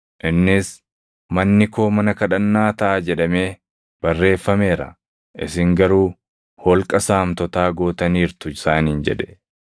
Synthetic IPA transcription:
ʔɪnːɪs | mɐnːɪkʰo̞ːmɐnɐkɐᶑɐnːaːt̪ɐʔaːd͡ʒɛᶑɐme̞ː | b̥ɐrːe̞ːfːɐme̞ːɾɐ̰ | ʔɪsɪŋɡɐɾuː | hɔlkʼɐsaːmt̪ɔt̪aːɡoːt̪ɐniːɾt̪ʊɪsaːnind͡ʒɛᶑɛ

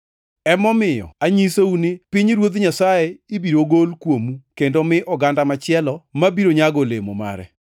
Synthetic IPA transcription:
ɛmɔmɪjɔ̰aɲisounɪpɪɲɾwot̪ɲasajɛibiɾoɡolkwomukendomɪʔɔɡandamat͡ʃɪɛlɔmabiɾoɲaɡolemo̰ma̰ɾɛ̰

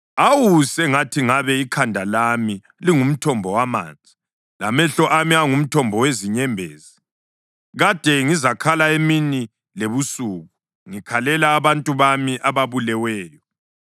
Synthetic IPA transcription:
awusɛŋatʰiŋaβɛikʰandʱalami | liŋum̩tʰɔmbʱɔwama̰ːnd͡zʱi | lamɛɬɔʔamiaŋum̩tʰɔmbʱɔweziɲɛmbʱeːzi | ɣad̥ʱɛŋizakʰalaemini | leβusuːɣu | ŋikʰalɛlaːβantʼuβamiʔaβaβulɛwɛːjɔ

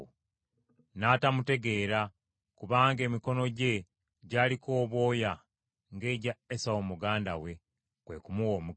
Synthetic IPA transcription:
naːtamute̞ɡe̞ːɾa | kuβaːŋɡe̞ːmiko̞no̞ɟe̞ | ɟaːliko̞ːβo̞ːja | ŋɡe̞ːɟaesawomuɡaːndawe̞ | kwe̞ːkumuwo̞ːmu

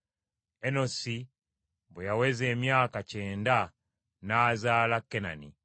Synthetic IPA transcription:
enosi | bɛjawɛzeːmjaːkat͡ʃeːnda | nazalakːena̰nḭ

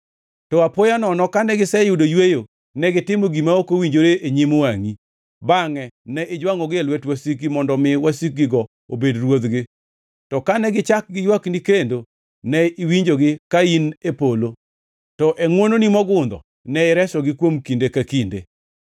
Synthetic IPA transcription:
tɔapojanɔnɔkanɛɡɪsɛjʊdojwejo | nɛɡɪtɪmoɡimaokowiɲd͡ʒoɾeeɲimowaŋi | baŋɛnɛʔɪd͡ʒwaŋɔɡelwɛtwasik̚ɡimɔndɔmɪwasik̚ɡɪɡɔ | obedɾwod̪ɡɪ | tɔkanɛɡɪt͡ʃak̚ɡɪjwaknikendo | nɛiwiɲd͡ʒoɡɪkainepolo | tɔʔeŋwononimɔɡʊnd̪ɔ̰ | nɛɪɾɛsɔɡɪkwomkindekakindḛ

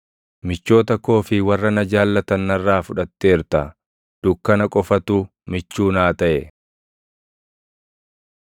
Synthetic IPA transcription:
mɪt͡ʃːo̞ːt̪ɐko̞ːfɪwɐrːɐnɐd͡ʒaːlːɐt̪ɐnːɐrːaːfʊᶑɐt̪ːe̞ːɾt̪ɐ | d̪̥ʊkːɐnɐkʼɔfɐt̪uː | mɪt͡ʃːuːnaːt̪ɐʔɛ

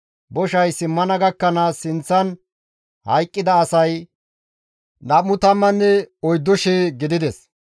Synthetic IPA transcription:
bɔʃɐjsɪmːɐnɐɡɐkːɐnasɪnt͡sːɐn | hɐjkʼːɪd̪ɐːsɐj | nɐmːʊt̪ɐmːɐnːɛɔjd̪ːɔʃeːɡɪd̪ɪd̪ɛs

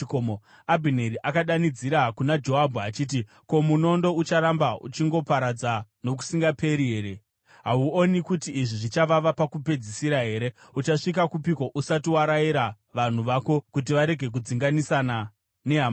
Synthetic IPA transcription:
komo | abʱineɾiʔakaɗanid͡ziɾakunad͡ʒo̞ɦabʱuat͡ʃiːt̬i | ko̞muno̞ndo̞ut͡ʃaɾambaṵt͡ʃiŋɡo̞paɾad͡zano̞k̬u̥siŋɡapʰe̞ɾiɦeɾe | ɦauonikutiiʐiʐit͡ʃaʋaʋapakupe̞d͡zisiɾaɦe̞ːɾe̞ut͡ʃaʂikakupiko̞ʔusatiwaɾaiɾa | ʋan̤uʋaːko̞kut̬iʋaɾe̞ɡʱe̞k̬ud͡ziŋɡanisana | ne̞ɦama

